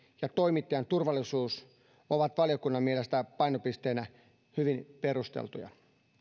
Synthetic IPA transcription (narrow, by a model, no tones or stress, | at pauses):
jɑt̪o̞jmit̪ːejɑnt̪urʋɑlːˑisuːs | oʋɑt̪ʋɑljo̞kunːɑmmielest̪æpɑjnopist̪e̞ːnæ | hyʋinpe̞ɾust̪ḛlt̪ujɑ̰